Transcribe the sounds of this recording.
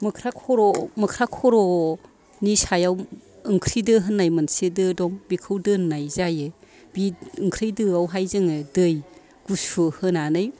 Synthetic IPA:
mɯkʰɾakʰɔɾɔmɯkʰɾakʰɔɾɔ | nisajaw | ɯŋkʰɾidɯɦɯnːajmɯnsedɯdɔŋbikʰɯwdɯnːajzaje | biɯŋkʰɾɯjdɯawɦajzɯŋedɯj | ɡ̥usuhɯnanɯj

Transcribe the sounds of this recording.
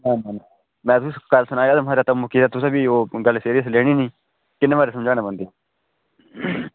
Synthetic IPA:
naːnãːnãː | mɛ̃ːt̪ʊikəlsʊnaːəd̪əmɦaːɾaːt̪əmʊkiːd̪aːt̪ʊsẽːbiːoːɡəlseːɾiəsleːɽ̃iːnĩː | kɪneːʋaːɾeːsəmd͡ʒaːɽ̃ẽːbənd̪iː

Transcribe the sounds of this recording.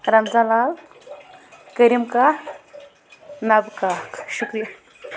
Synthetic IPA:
ɾɐnd͡zalaːl | kəɾimka | nɐbkaːkʰʃukɾija

